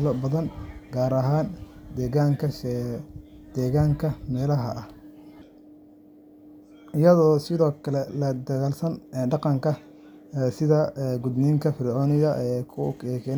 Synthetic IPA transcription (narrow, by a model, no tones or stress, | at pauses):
lɔbɐðɐnɡaːɾɐɦaːnd̪ɛːɣaːŋkʰɐ | d̪̥ɛːɣaːŋkʰɐmɛːlɐɦɐ̰ʔɐh | ʔɪjɐðɔːsɪðɔːkʰɐlɛlɐd̪ɐɣaːlsɐnːɖɑqɑŋkʰɐ | sɪðɐɡʊd̪niːŋkʰɐfɪɾʕɔːnɪɣɐʔɛːkʰʊkɛːkʰɛ